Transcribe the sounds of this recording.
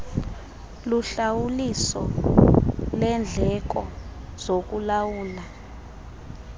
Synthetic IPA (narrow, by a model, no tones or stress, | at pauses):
luɬawulisɔ̰ | lɛnd͡ɮʱɛk̬ɔz̥ok̬ulawuːla